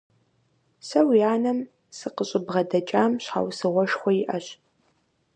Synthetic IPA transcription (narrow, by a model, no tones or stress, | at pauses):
sɐwjaːnɐm | sɨqəɕʼɪbʁɐdɐt͡ʃʼaːmɕħa̰wsɨʁʷɔʃxʷɔjɪʔɐɕ